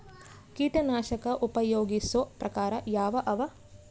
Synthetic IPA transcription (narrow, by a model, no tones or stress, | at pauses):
kiːʈɐnaːʃɐkɐʔupɐjoːɡisopɾɐkaːɾɐjaːʋɐʔɐʋɐ